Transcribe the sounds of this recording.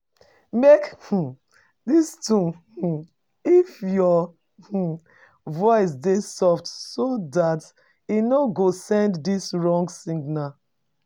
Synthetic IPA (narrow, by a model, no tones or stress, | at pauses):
mek̩ | distũ | ifjɔ | h̩ | vɔɪs̬desɔftsodat | inoɡosɛ̃nddisɹɔ̃ŋɡsĩŋɡna